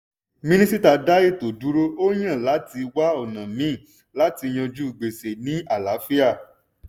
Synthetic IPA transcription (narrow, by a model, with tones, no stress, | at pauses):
mĩ˦nĩ˦si˦ta˧da˦ji˦˨to˨du˨˦ɾo˦o˦j̃ã˦˨la˨˦ti˧wa˦ɔ˨nã˨mĩː˨˦˨ | la˨˦ti˧j̃ɔ̃˧d͡ʒu˦i˨ɡ͡be˨se˨nĩ˦a˦˨la˨˦fi˦a˦˨